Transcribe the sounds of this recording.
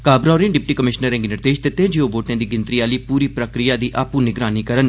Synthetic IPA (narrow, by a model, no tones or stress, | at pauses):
kaːbɾaːɾɪ̃nɖɪpʈiːkəmɪʃnəɾɛ̃ŋɡinɪɾd̪eːʃt̪ɪt̪ːẽːd͡ʒioːʋoːʈẽːd̪iːɡɪ̃nt̪ɾiːaːliːpuːɾiːpɾəkɾijaːd̪iːʔaːpuːnɪɡɾaːniːkəɾən